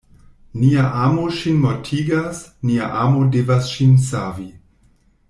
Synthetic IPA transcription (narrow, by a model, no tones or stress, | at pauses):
niaʔaːmoʃinmotʰiɡasnia̰ʔaːmodevasʃinsavi